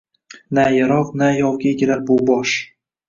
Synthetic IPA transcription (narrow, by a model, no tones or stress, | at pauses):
najaɾɒqnajɒwɡʲaeɡʲɪlaɾbʊbɒʃ